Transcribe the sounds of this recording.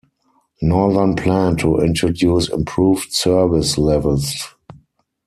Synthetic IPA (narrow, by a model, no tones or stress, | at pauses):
nɔðə˞npʰlæ̃ntʰuʔɪ̰̃ntɹodjuːsɪ̰̃mpʰɹuːvtsɜ˞vɪslɛvəls